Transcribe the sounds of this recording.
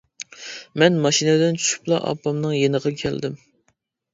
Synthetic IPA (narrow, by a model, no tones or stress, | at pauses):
mɛnmɑʃinɪd̪ɪnt͡ʃʰy̥ʃy̥plˠɑʔɑ̰pːɑmnɨŋjenəʁɑkʲʰɛ̰ld̪ɪm